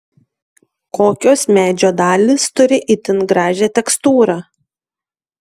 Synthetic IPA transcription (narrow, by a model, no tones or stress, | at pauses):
koːkʲoːsmʲæːd͡ʒʲoːd̪ɑːlʲiːst̪ʊɾʲɪʔɪt̪ʲɪnɡɾɑːʒʲɛt̪ʲɛkst̪uːɾɑː